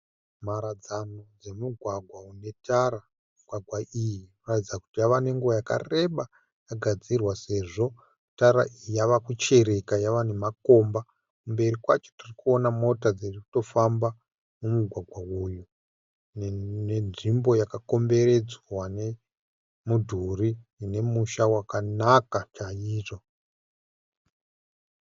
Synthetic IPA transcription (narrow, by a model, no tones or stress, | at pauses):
maɾad͡zano̞d͡ze̞muɡʱwaɡʱwaune̞taɾa | muɡʱwaɡʱwaʔijiroratid͡zaku̥tijaʋane̞ŋɡuajaka̰re̞ɓa | jaɡʱad͡zirwase̞ʐo̞ | taɾa̰ʔiijaʋakut͡ʃe̞ɾe̞kajaʋane̞mako̞mba | kumbe̞ɾikwat͡ʃo̥tirikuo̞namo̞tad͡zeriku̥to̞famba | mumuɡʱwaɡʱwauju | nnenʐimbo̞jakako̞mbe̞ɾe̞d͡zwane | mudʱuriine̞muʃawakanakat͡ʃaiːro